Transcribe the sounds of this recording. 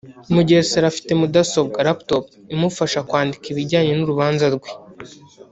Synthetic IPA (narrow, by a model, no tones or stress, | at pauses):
muɟeɾseɾafi̥temudasob̚ɡaɾaptopimufaʃakwaːndikiβiɟaːɲe̞nuɾuβaːnzaɾɡwe